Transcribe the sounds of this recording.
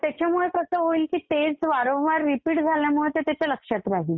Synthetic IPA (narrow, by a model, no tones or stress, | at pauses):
t̪jat͡ɕamuɭekəsəːɦoiːlkiːt̪et͡sʋaɾõʋaɾːipiːʈd͡zʱaljamuɭet̪et̪jat͡ɕaləkʂat̪ɾaɦiːl